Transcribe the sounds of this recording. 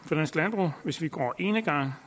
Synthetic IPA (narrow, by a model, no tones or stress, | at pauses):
fɒ̽d̥ænslænb̥ʁṵʋe̝sʋiɡ̥ɒ̰ːʔe̝ːnəɡ̥ɑ̈ŋ̰